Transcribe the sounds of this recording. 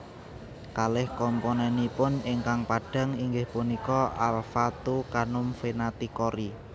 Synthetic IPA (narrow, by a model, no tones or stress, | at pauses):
kalɪhkɔmponɛnipʊnɪŋkaŋpaɖ̥a̤ŋiŋɡɪhpunikɔalfat̪ukanʊmfenat̪ikɔɾi